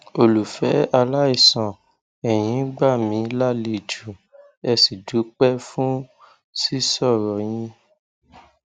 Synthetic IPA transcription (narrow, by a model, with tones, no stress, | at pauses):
o˧lu˨fɛ˨˦a˧la˦i˦˨sã˨ | ɛ˨j̃ĩ˨˦ɡ͡ba˦˨mĩ˨˦la˦˨le˧˨d͡ʒu˨ | ɛ˧si˨d͡ʒu˨˦k͡pɛ˦fũ˦ | si˦sɔ˦˨ɾɔ˨˦j̃ĩ˧